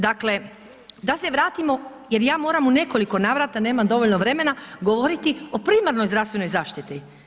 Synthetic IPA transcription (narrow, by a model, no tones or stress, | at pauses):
d̪akle̞ | d̪ase̞ʋɾaːt̪imo̞je̞ɾjaːmo̞ːɾamune̞ko̞liko̞naʋɾat̪aneːmamd̪o̞ʋoʎno̞ʋɾe̞me̞naɡoʋo̞ɾit̪io̞pɾiːmaɾno̞jzɾafst̪ʋe̞no̞jzaːʃt̪it̪i